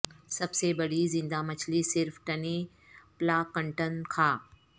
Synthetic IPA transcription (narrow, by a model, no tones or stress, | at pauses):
sɐbsebɐɽizɪ̃nd̪amɐt͡ɕʰlisɪɾfʈɐne | plaːkɐ̃ɳʈənkʰaː